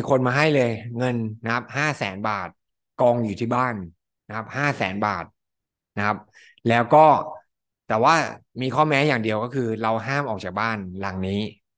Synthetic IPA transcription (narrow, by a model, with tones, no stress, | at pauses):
kʰo˧nmaː˧ɦa˥˩jlɤː˧jŋɤ˧nːa˦˥p̚haː˥˩sɛː˩˦nbaː˨˩t̪̚ | kɔː˧ŋjuː˨˩t̪ʰiː˥˩baː˥˩n | na˦kʰa˦˥p̚haː˥˩sɛ̰ː˩˦nba̰ː˨˩t̪̚ | na˦˥kʰa˦˥p̚ | lɛː˦˥wkɔː˥˩ | t̪ɛː˨˩waː˥˩miː˧kʰɔː˥˩mɛː˦˥jaː˨˩ŋdi˧əwkɔː˥˩kʰɯː˧ɾa˧wɦaː˥˩mʔɔː˨˩k̚t͡ɕaː˨˩baː˥˩nla˨˩ŋniː˦˥